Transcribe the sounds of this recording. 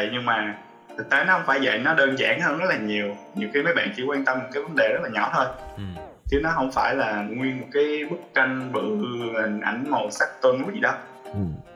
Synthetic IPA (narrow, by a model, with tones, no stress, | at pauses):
ə˧˨jɲɨ˧ŋmaː˨˩ | t̪ʰɨ˨˩k̚t̪e˨˦nɔ˨˦hə˧wŋ͡mfaː˧˩jvə̰˧˨jnɔ˨˦ɗəː˧nza̰ː˧˩ŋhəː˧nz̚laː˨˩ɲi˨˩əwɲi˨˩wxi˧məː˨˦jɓa̰ː˧˨nt͡ɕḭ˧kwaː˧nt̪ə˧mːo˨˩t̚kaː˨˦jvə˨˦nɗe˨˩zə˦˥t̚laː˨˩ɲɔ̰˧˩wt̪ʰo˧j | t͡ɕɨ˨˦nɔ˨˦ɦə˧wŋ͡mfaː˧˩jlaː˨˩ŋwi˧ənmo˨˩t̚kaː˨˦jɓɨ˦˥k̚t͡ɕa˧jŋɓɨ̰˧˥hï˨˩ŋ̟ʔa̰˧˩jŋ̟ŋo˨˩sa˦˥k̚t̪wə˧nkzḭ˨ɗɔ˨˦